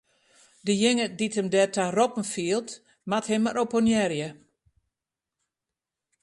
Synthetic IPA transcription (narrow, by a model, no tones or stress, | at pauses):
dəjɪŋəditəmdɛtʰarɔpn̩fiːəlˠt | mathɛmaɾʔoponjɛɾjə